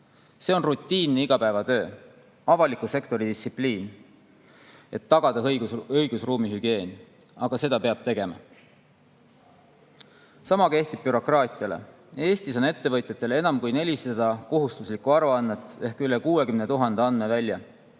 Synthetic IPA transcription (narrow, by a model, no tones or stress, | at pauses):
se̞o̞nrut̪ʲːˑiːnːeiɡ̥ɑpæevɑt̪ø̞ː | ɑvɑlikuse̞kt̪o̞ɾid̪ist̪sipliːn | e̞t̪ːɑɡ̥ɑd̪̥ɑjɡuɤjɡ̥usruːmiɦyɡ̥ie̞ːn | ɑɡ̥ɑse̞d̪̥ɑpe̞ɑb̥t̪e̞ɡ̥e̞mɑ̰ | sɑmɑke̞ht̪ib̚byɾo̞krɑːt̪ˑiɑlḛ | e̞ːst̪iso̞ne̞t̪ːe̞vɤt̪ʲjɑt̪ːˑe̞le̞nɑmkujne̞lʲist̪ed̪ɑko̞ɦust̪uslikuɑɾuɑnːet̪ːˑe̞hkylekuːe̞kymnet̪uɦɑnd̪̥eɑnme̞vælʲːjɑ